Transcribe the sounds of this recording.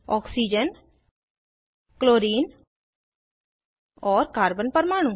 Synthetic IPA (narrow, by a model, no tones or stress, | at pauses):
ɔːksiːd͡ʒən | kloːɾiːn | ɔːɾkaːɾbənpəɾmaːɽ̃ũ